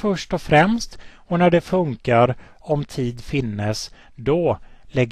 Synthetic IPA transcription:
fœʂʈɔfɾɛmst̪ | ɔnæɖɛfɵŋkaɾ | ɔmt̪ʰiːd̪fɪnːəs | d̪ɔlɛɡ

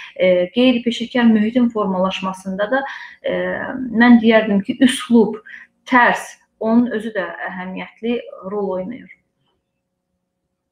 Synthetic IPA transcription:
ɡe̞jɾipʰe̞ʃiɾcʰæɾmyɦit̪ʰinfo̞ɾmɑlˠɑʃmɑsɯnd̪ɑd̪ɑ | mænd̪ijæɾd̪imcʰiʔysklˠubt̪ʰæɾs | o̞nunø̞zyd̪ææɦæmijæt̪ʰliɾo̞lˠo̞jnɑ̰juɾ

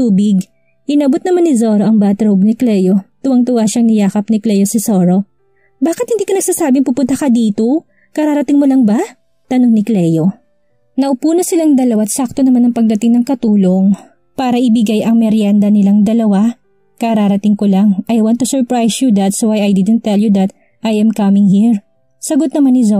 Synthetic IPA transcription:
t̪uːbɪɡ | ʔɪnɐbot̪̚nɐmanːɪzoːɾoʔɐŋbaːt̪ɾobnɪklɛjot̪ʊwɐŋt̪ʊwaʃɐŋɪjaːkɐp̚nɪklɛjosɪsoːɾo̞ | baːkɪt̪̚hɪnd̪iːkɐnɐɡ̥̚saːsaːbɪŋpʊpʊnt̪ɐkɐd̪iːt̪o | kɐɾaːɾɐt̪ɪŋmolɐŋbɐ | t̪ɐnoŋnɪklɛjo̞ | nɐʔʊpuːnosɪlaŋd̪ɐlɐwat̪sak̚t̪onɐmanɐŋpɐɡ̚d̪ɐt̪ɪŋnɐŋkɐt̪uːlo̞ŋ | paːɾɐʔɪbɪɡajʔɐŋmɛɾjand̪ɐnɪlaŋd̪ɐlɐwa | kɐɾaːɾɐt̪ɪŋkolɐŋʔɐjwɐnt̪ːusɛɹpɹajsjud̪ɐt̪sowajɐjd̪ɪd̪ɛnt̪ːɛljud̪ɐt̪ | ʔajɐmkɐmɪŋhiɹ | sɐɡot̪̚nɐmanːɪzo

